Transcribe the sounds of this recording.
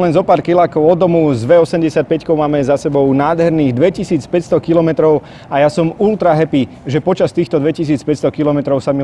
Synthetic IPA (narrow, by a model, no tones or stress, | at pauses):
lɛnzɔpaːɾkilaːkɔʊɔd̪ɔmuzʋɛɔsɛmɟɛsɪac̚pɛckɔʊmaːmɛzasɛbɔʊnaːd̪ɦɛɾniːɣd̪ʋɛcisiːt͡spɛcst̪ɔkilɔmɛt̪ɾɔʊ | ajasɔmult̪ɾaɦɛpi | ʒɛpɔt͡ʃast̪iːxt̪ɔd̪ʋɛcis̬iːt͡spɛcst̪ɔkilɔmɛt̪ɾɔʊsami